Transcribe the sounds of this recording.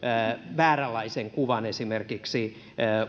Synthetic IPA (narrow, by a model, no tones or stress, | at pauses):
ʋæːrælɑiseŋkuʋɑnesimerkiksi